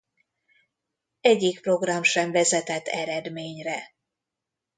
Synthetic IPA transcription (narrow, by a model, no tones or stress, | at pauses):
ɛɟːik̚pro̞ɡrɒmʃɛɱvɛzɛt̪ɛt̪ːɛɾɛd̪meːɲrɛ